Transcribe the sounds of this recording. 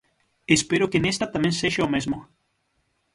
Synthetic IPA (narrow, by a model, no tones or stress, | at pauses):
espeɾokenest̪at̪amẽŋseʃaomezmo